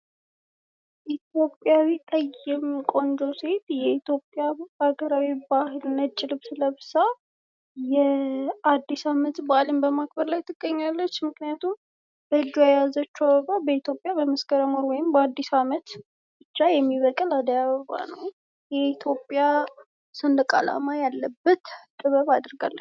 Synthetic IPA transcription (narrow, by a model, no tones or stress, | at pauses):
ʔit̪ʰjo̞pʼːjawit̪ʼəjɛmkʼo̞nd͡ʒose̞t̪jɛit̪ʰjo̞pʼːjaaɡəɾawibahɨlɨnːət̪̚t͡ʃʼːɪlɨβsɨləbɨsa | jɛad̪ːisamət̪baalɨmbəmak̚ʰbəɾlajt̪ʰɨɡ̥ːəɲːalːət͡ʃːmɨknijat̪ʰum | b̥əɨd͡ʒːujajazət͡ʃːuaβəβabəit̪ʰjo̞pʼjabəməskəɾəmoɾwɔjɪmbəad̪ːisamət̪ | bɨt͡ʃːajɛmːiβəkʼəlad̪əjaβəβa̰nə̰w | jɛit̪ʰjo̞pʼja | sɨnd̪əkʼa̰la̰majalːəbːət̪kʼɨβəβad̪ɾɡa̰lːə